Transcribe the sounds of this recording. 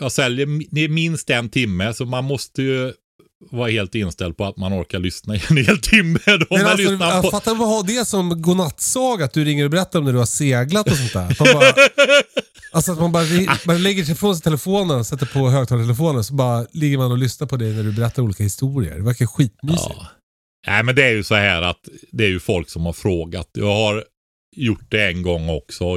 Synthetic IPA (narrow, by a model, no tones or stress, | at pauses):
jɑːsɛljəɾd̪ɛmɪnst̪ɛnt̪ʰɪmːəsɔmanmɔst̪əjɵ | vɑːɾaheːlt̪ɪnst̪ɛld̪̚pʰɔat̪manɔ̰ɾkaɭʏsnaɪɛnheːlt̪ʰɪmːəd̪ɔɛlʏsɔnafat̪ːavahad̪ɛsɔmɡʊnat̪ːsɑːɡat̪̚d̪ɵɾɪŋːəɾɔbɛɾɛt̪ːaɾɔmnæɖɵhaseːɡlat̪ɔsɔnt̪d̪æ̰ɾat̪mabɑːa | alsɔat̪manbɑːɾaɾɪmanlɛɡːəʂɛjfɾoːns̬ɛɪt̪ʰɛlɛfoːnənɔsɛt̪ːəɾpʰɔɦøːɡ̚t̪ʰɑːlt̪ʰɛlɛfoːnəsɔbɑːɾalɪɡːəɾmanɔlʏsnaɾpʰɔd̪ɛjnæɖɵbɛɾɛt̪ːaɾuːliːkahɪst̪uːɾɪə̰ɖɛvæɾkaɧiːt̪myːsɪ̰ | nʔæɪmɛnd̪ɛæɾjɵsɔhæːɾa̰t̪d̪ɛæɾjɵfɔlksɔmhaɾfɾoːɡa̰t̪jɑːɡhaɾ | jʊʈ̚ːd̪ɛɛnɡɔŋːɔ̰ksɔ